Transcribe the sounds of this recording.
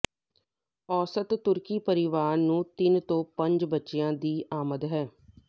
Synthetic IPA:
ɔːsət̪ːʊɾkiːpəɾɪʋaːɾnũːt̪ɪnt̪õːpə̃ɲd͡ʒbətːʃejãːd̪iːʔaːməd̪ɦɛː

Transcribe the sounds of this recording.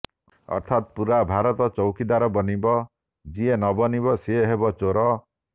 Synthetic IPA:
ɔ̰ɾt̪ʰat̪puɾabʱaɾɔt̪ɔt͡ʃɔwkid̪aɾɔbɔnibɔ | d͡ʒienɔbɔnibɔseeɦebɔt͡ʃoɾɔ

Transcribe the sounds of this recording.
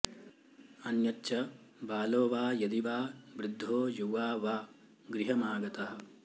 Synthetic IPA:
ɐnjɐtːʃɐbaːloːʋaːjɐd̪iʋaːbɾɪd̪ʱːoːjuʋaːʋaː | ɡɾiɦɐmaːɡɐt̪ɐɦɐ̆

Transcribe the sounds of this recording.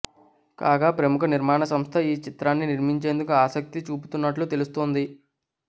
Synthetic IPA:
kaːɡaːpɾɐmukɐniɾmaːɳɐsɐmst̪ʰɐiːt͡ʃit̪ɾaːnːiniɾmiɲt͡ʃe̞ːnd̪ukuaːsɐk̚t̪it͡ʃuːpu̥t̪unːɐʈlut̪e̞lust̪oːnd̪i

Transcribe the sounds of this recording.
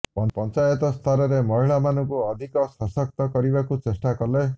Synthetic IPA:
pɔnpɔnt͡ʃajɔt̪ɔst̪ʰaɾɔɾemɔɦiɭamanɔŋkuɔd̪ʱikɔsɔsɔk̚t̪ɔkɔɾibakut͡ʃesʈakɔle

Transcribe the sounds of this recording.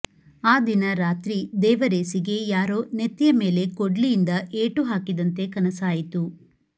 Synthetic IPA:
aːd̪inɐɾaːt̪ɾid̪ɛːʋɐɾeːsiɡe̞jaːɾoːnet̪ːijɐme̞ːle̞koɖlijind̪ɐʔeːʈuɦaːkid̪ɐnt̪e̞kɐnɐsaːjit̪u

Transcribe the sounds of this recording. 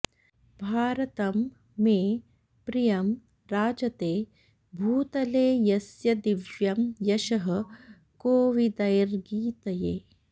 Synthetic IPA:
bʱaːɾɐt̪ɐmː | eː | pɾijɐm | ɾaːd͡ʒɐt̪eː | bʱuːt̪ɐleːjɐsjɐd̪iʋjɐmjɐʃɐɦɐ̆ | koːʋid̪ɐjɾɡiːt̪ɐjeː

